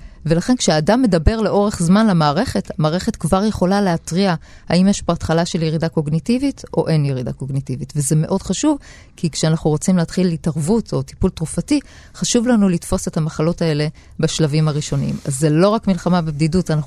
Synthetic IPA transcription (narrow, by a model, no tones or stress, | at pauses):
ve̞laχe̞nkʃeaːdamːe̞dabe̞ʁle̞ʔo̞ʁe̞χzmanlemaːʁe̞χe̞tamaːʁe̞χe̞tkvaʁje̞χo̞laleatʁia | haimjeʃboat̪χalaʃeljeʁidako̞ɡnitivito̞̰ʔe̞njeʁida̰ko̞ɡnitivitveze̞me̞ʔo̞dχaʃuv | kikʃeanaχnuʁo̞t͡simleːt̪χilitaʁvutʰo̞ti̥pultʁufati | χaʃuvlanulitfo̞se̞thamaχalo̞tae̞le̞ | baʃlavimaʁiʃo̞niḭma̰zːelo̞ʁakmilχamabebdidutanaχ